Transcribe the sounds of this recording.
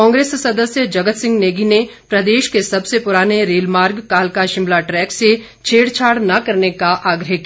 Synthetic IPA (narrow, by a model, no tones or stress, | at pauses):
kɔ̃ːŋɡɾeːssɐd̪əsjəd͡ʒɐɡət̪sɪ̃ŋɡneːɡinepɾɐd̪eːʃkesɐbsepʊɾaːneɾeːlmaːɾɡkaːlkaʃɪ̃mlaʈɾɛːkse | t͡ʃʰeːɽt͡ʃʰaːɽnɐkɐɾnekaʔaːɡɾəɦki